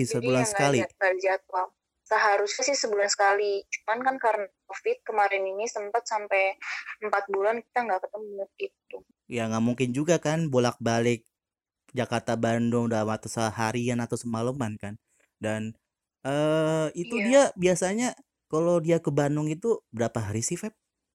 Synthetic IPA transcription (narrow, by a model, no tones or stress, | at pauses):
səbulansəɡkalikad͡ʒat̪̚a | səɦaɾʊsɲasɪhsəbulansə̥kalit͡ʃu̥mankankaɾənakofɪt̪̚kəmaɾɪninisəmpat̪̚sampɛjəmpat̪̚bulanki̥t̪aŋɡaʔkət̪əməɲʊt̪̚it̪u | jaŋɡaʔmuŋkɪnd͡ʒuɡakanbolak̚balɪk̚ | d͡ʒakart̪abandɔŋdamat̪asəɦaɾianat̪awsəmaləmankan | dan | əit̪udiabiasaɲa | kalowdiakəbanʊŋit̪ubəɾapaɦaɾisɪhfɛp̚